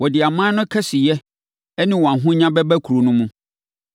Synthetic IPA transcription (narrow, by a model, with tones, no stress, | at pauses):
wɔ˨dɪ˨a˨mãː˦nʊ̃˦kʰɛ˦sɪ˨jɛ˦ | ɛ˦nɪ̃˦wɔ˨a˨ɦʊ̃˦ɲã˦bɛ˦bɛ˦kʰu˨ɾo˨nʊ̃˦mũ˦